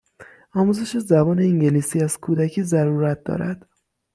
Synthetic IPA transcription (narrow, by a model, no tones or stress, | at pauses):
ɒːmuːze̞ʃezæbɒːne̞iŋɟeliːsiːæz̥kʰuːd̪æcʰiːzæɾuːɾæt̪̚d̪ɒ̰ːɾæd̪̥